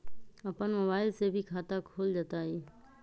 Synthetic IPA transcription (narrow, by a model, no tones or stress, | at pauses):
əpənmoːbaːɪlsebʱikʰaːt̪akʰoːld͡ʒat̪aɦi